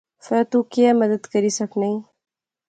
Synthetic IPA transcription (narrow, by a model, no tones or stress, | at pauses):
fɛːt̪ukiemɐd̪əd̪kɐɾisɐknɐĩ